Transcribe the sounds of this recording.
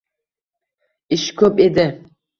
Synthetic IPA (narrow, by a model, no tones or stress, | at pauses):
ɪʃkʲʰɵped̪ɪ